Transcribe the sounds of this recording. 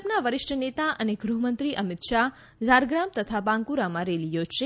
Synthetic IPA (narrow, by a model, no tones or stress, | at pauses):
pnaʋəɾɪʃʈʰənet̪aʔəneɡɾuɦmənt̪ɾiʔəmɪt̪ʃa | zaɾɡɾamt̪ət̪ʰabãŋkuɾamãɾelijod͡ʒʃe